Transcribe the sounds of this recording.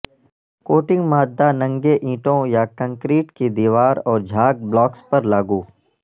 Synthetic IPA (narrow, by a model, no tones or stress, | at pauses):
koːʈɪ̃ŋɡmaːd̪ːanɐ̃ŋɡeʔĩːʈõjakə̃ŋkɾiːʈkid̪iːʋaːɾɔːɾd͡ʒʱaːɡ̚blɔːkspɐɾlaːɡuː